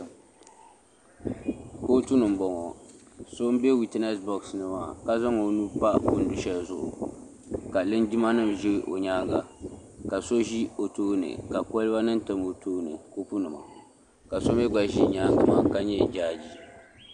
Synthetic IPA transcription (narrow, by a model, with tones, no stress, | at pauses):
ko˦tu˦nɨ˨m˨bɔ˨ŋɔ˨ | so˦m˦bɛ˦wi˦˨tɛ˦nɛ˦sbɔ˨ksnɨ˦ma˨ka˦za˦ŋo˨˦nu˦pa˦bʊ˨n̩˦˨du˨ʃa˦zʊ˦ʔʊ̰˨ | ka˨lɨ˦ndi˦ma˦nɨ˦mʒi˦˨ʔo̰˨ɲaː˦ŋɡa˨ka˨so˦ʒi˦o˨toː˦nɨ̰˨ka˨kɔ˦lɨ˦ba˦nɨ˦n˦tɨ˦mo˨tʰoː˦nɨ̰˨ko˦pu˦nɨ˨ma̰˨ | ka˨so˦m˦ɛ˦ɡ͡ba˨ʒi˦ɲaː˦ŋɡa˨ma˦ka˦ɲɛ˦d͡ʒaː˦d͡ʒi˦